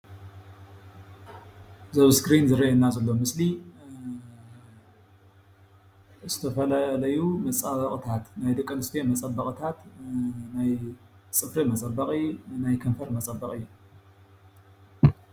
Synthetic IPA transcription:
zɐβskɾinzɨɾɐʔɐnːazɐlːo̞mɨsli | z̥ɨt̪ʰɐfɐlalɐjumɐt͡sʼɐβɐχʼt̪ʰat̪najd̪ɐkʼːɐnɨst̪ʰemɐt͡sʼɐbːɐχʼt̪ʰat̪najt͡sʼɨfɾimɐt͡sʼɐbːɐqʼinajkʰɐnfɐɾmɐt͡sʼɐbːɐkʼɨjːu

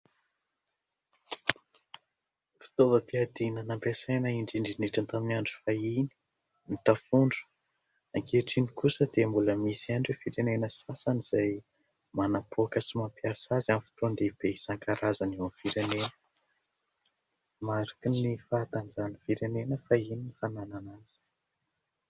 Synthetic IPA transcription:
fi̥t̪ovəpiad̪inənampesajnəiɳɖ͡ʐiɳɖ͡ʐiniʈ͡ʂant̪aminaɳɖ͡ʐu̥faini̥ | nit̪afuɳɖ͡ʐə̥ | aŋkeʈ͡ʂinikusəd̪embuləmisiaɳɖ͡ʐefiɾenenəsasaniz̥aj | manapʰokəsimampiasazamfi̥t̪ond̪eb̥esaŋkaɾazanewamfiɾenenə | maɾakinifaːt̪and͡ʒanifiɾenenəfaininifanananaz̥i̥

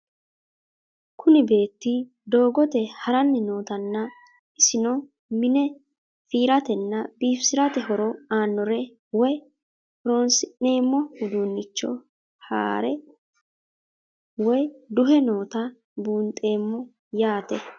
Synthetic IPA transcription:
kʊnɪbe̞ːt̪ːɪ | d̪o̞ːɡɔt̪ɛhɐɾɐnːɪno̞ːt̪ɐnːɐ | ɪsɪnɔ | mɪnɛ | fiːɾɐt̪ɛnːɐbiːfsɪɾɐt̪ɛɦɔɾɔaːnːɔɾɛ | wɔj | hɾo̞ːnsɪne̞ːmːɔhʊd̪unːɪt͡ʃːɔ̰ | ha̰ːɾɛ | wɔjd̪ʊɦɛno̞ːt̪ɐ | buːnt̪ʼe̞ːmːɔ | jaːt̪ɛ

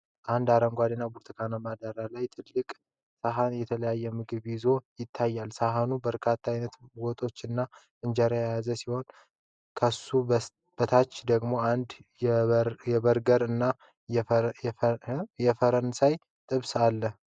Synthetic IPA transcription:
ʔand̪aɾəŋɡʷad̪inːabuɾt̪ʰɨkʰanamad̪aɾalajt̪ʰɨlːɨkʼ | saɦanjɛt̪ʰələjajːɛmɨɡɨβjɪzo̞jɪt̪ʰːajːalsaɦanubəɾkʰat̪ʰːajnət̪wɔt̪ʼo̞t͡ʃːɨnːa | ɨnd͡ʒɛɾajajazəsiho̞n | kʰəsːu | b̥ət̪ʰat͡ʃːd̪əɡmo̞and̪ | jɛβəɾɡəɾɨnːa | jɛfəɾənsaj | t̪ʼɨβsalːəh

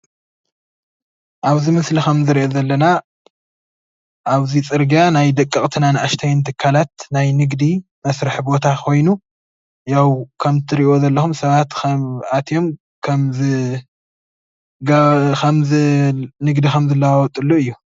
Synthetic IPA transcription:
ʔaβzimɨslixɐmzɨɾiʔozɐlːɐna | ʔaβzit͡sʼɨɾɡijanajd̪ɐkʼːɨχʼt̪ʰɨnanɨʔaʃt̪ʰajnt̪ʰɨkʰːalat̪najnɨɡd̪i | mɐsɾɨħbo̞t̪ʰakʰo̞jnu | jawkʰɐmt̪ʰɨɾiʔo̞zɐlːɐxumsɐβat̪kɐat̪ʰjo̞m | kʰɐmz | ɡkʰɐmɨnɨɡd̪ixɐmzɨlːɐwawɔt̪ʼɨlːuɨjːu

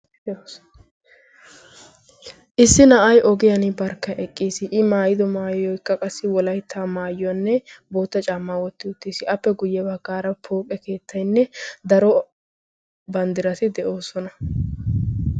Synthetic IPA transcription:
ʔɪsːɪnɐʔɐjʔɔɡɪjɐnɪbɐɾkːɐʔɛkʼːiːsɪʔɪmaːjɪd̪ɔmaːjjɔjkːɐkʼɐsːɪwɔlɐjt̪ʰːaːmaːjʊɐnːɛbo̞ːt̪ːɐt͡ʃʼaːmːaːwɔt̪ːɪʊt̪ːiːsɪʔɐpːɛɡʊjːɛbɐɡːaːɾɐpʰoːkʼːɛke̞ːt̪ʰːɐjnːɛd̪ɐɾɔ | bɐnd̪ɪɾɐt̪ɪd̪ɛʔo̞ːsɔnɐ

